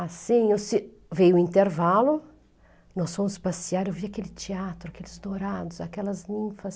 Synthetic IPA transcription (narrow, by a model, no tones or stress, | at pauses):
asĩewsɪ | vejʊĩnt̪eɾvalʊ | nɔsfõmʊspasiaɾewviakelɪt͡ʃiat̪ɾʊakelɪzd̪oɾad̪ʊsakɛlɐznĩfɐs